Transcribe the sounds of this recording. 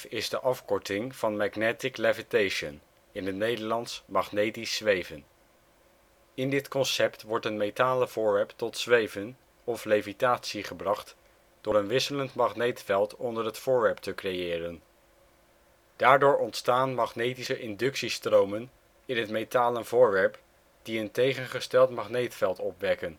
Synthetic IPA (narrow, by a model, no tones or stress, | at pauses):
ɪzdəʔɑfkɔɹtɪŋv̥ɑnmaχnɛtɪklɛvitejʃən | ɪnətnejdəɹlɑntsmɑχnejtisʋejvən | ɪndɪtkɔnsɛptʋɔɹtənmejtaːləvʊːɹʋɛɹptɔtsʋejvən | ɔflejvitaːtsiχəbrɑχt | d̥ʊːɹənʋɪsələntmɑχnejtfɛlˠtɔndəɹɦətfʊːɹʋɛɹp̚təkrejɪːrən | d̥aːɹdʊːɹɔntstaːnmɑχnejtisəʔɪndɵksistrowmən | ɪnɦətmejtaːləvʊːɹʋɛɹp | d̥iəntejχənχəstɛlˠtmɑχnejtfɛlˠtɔpʋɛkən